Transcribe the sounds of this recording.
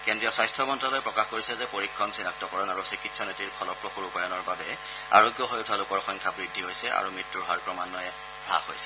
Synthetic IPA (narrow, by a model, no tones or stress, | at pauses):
kendɹijɔsajstʰɹɔmɔntɹalojpɹɔkaxkoɹisɛzɛpoɹikʰːɔnsinak̚tɔkɔɹɔnaɹusikitsɔnetiɹpʰɔlɔpɹoxuɹupajɔnɔɹbabɛ | a̰ɹoɡjɔɦojutʰɔalʊkɔɹxɔŋkʰabɹidʱːiɦojsɛʔa̰ɹumɹitːuɦaɹpɹɔmanːɔjɛ | bʱa̰xojsɛ̥